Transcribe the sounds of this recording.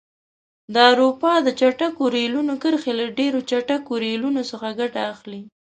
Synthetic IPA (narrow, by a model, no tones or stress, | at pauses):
d̪əawɾupɑd̪ət͡ʃaʈakoɾelunokəɾxelaɖeɾot͡ʃaʈakoɾelunosəxaɡaʈaːxli